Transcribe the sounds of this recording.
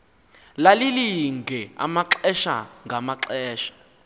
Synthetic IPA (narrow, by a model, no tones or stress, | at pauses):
laliliŋɡʱɛa̰maǁɛʃa̰ŋɡʱamaǁɛːʃḁ